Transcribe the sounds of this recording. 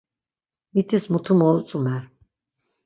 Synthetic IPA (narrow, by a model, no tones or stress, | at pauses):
mit̪ʰismut̪ʰumɔlut͡s̪ʼumɛɾ